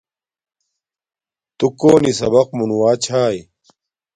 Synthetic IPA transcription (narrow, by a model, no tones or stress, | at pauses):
t̪ukoːnisɐ̰bɐq̚munuwaːt͡ɕʰaːj